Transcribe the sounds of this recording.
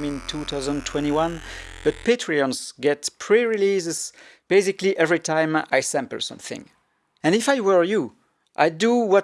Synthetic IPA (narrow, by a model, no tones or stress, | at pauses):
mɪ̃ntʰuθaʊzə̃ntʰw̥ɛ̃ɾ̃iwʌ̃nb̥ʌt̚pʰetʰɹ̥iɔ̃nsɡɛtpʰɹ̥iɹilizzb̥eɪsɪkliʔɛvɹitʰãɪ̃ma̰jsɛ̃mpə̰lsʌ̰̃mθɪ̰̃ŋ | ɨ̃nɪfajwɛ˞ju | ʔa̰jduwʌ